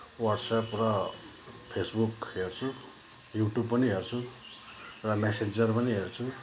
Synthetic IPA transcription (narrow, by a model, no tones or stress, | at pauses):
wʌʈsaprʌ | pʰesbukɦert͡sʰu | juʈjubpʌniɦert͡sʰu | rʌmesed͡zʌrpʌniɦert͡sʰu